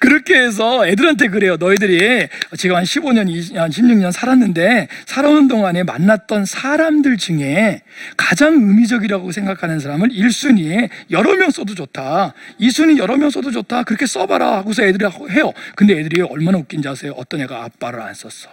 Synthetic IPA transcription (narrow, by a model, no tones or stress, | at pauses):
kɯɾʌkʰe̞ːs̬ʰʌe̞dɯɾɦantʰe̞k̬ɯɾe̞jonʌidɯɾiʌt͡ɕiɡamhanɕʰiboɲʌnianɕʰimɲuŋɲʌnsʰaɾanːɯnde̞sʰaɾaɯndoŋane̞ma̰nːat̚t͈ʌnsʰaɾamdɯɭd͡ʑt͡ɕuŋe̞kad͡ʑaŋɯmid͡ʑʌɡiɾaɡosʰe̞ŋɡakʰanɯns̬ʰaɾamɯɾiɭs͈uɲijʌɾʌmjʌŋs͈ʌdot͡ɕotʰaisʰuɲijʌɾʌmjʌŋs͈odod͡ʑotʰakɯɾʌkʰe̞s͈ʌbaɾa̰haɡos̬ʰʌe̞dɯɾɯɭɦe̞jʌkɯnde̞edɯɾiʌɭmanaok͈ind͡ʑasʰeoʌ̰t͈ʌneɡaa̰p͈̚aɾɯɾa̰ns͈ʌs͈ʌ̥